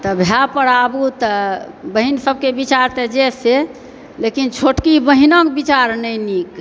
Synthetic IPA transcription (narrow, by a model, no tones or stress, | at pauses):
t̪əbʱjapəɾabut̪ə | bəɦinsəb̚kebit͡ʃaɾt̪ed͡ʒese | lekint͡ʃʰoʈkibəɦinəkbit͡ʃaɾnəjnik